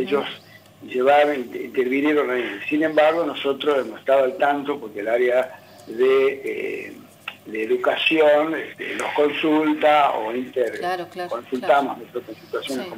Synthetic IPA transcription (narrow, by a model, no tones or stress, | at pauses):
eʒo̞s | ʒeβaɾoint̪eɾβinjeɾoneesine̞mbaɾɣo̞noso̞t̪ɾosemose̥ht̪aðoalt̪ant̪opoɾkelaɾea | ðeḛ | ðeːðukasjonet̪ḛlosko̞nsult̪ao̰int̪eɾkonsult̪amonwet̪ɾokonsit̪wasjonehko